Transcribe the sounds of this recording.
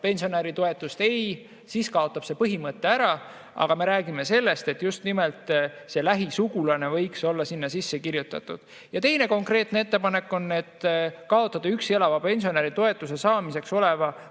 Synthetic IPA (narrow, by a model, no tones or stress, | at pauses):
pe̞nʲsio̞næɾit̪o̞e̞t̪ːˑust̪e̞j | siːskɑo̞t̪ːˑɑb̥se̞pɤɦimɤt̪ˑːe̞æɾɑ | ɑ̰ɡ̥ɑme̞ɾæːɡ̥ime̞se̞lːe̞st̪e̞t̪just̪nimelt̪se̞læɦisuɡulɑne̞vɤjkso̞lːɑsinːɑsisːe̞kiɾjut̪ːˑɑ̰t̪ːˑud̪̥ | jɑt̪e̞jne̞ko̞ŋkre̞ːt̪nee̞t̪ːepɑne̞kːo̞nːe̞t̪ːkɑo̞t̪ˑːɑd̪̥ɑykse̞lɑvɑpe̞nʲsio̞næɾit̪o̞e̞t̪ːˑuse̞sɑːmise̞kso̞le̞vɑ